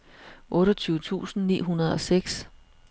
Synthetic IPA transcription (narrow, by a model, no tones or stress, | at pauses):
ʔɔ̽ːɾɒt͡sʰyːʊt͡sʰṵːsn̩nḭːɦunɐð̞̩ˠɒ̽seɡ̥s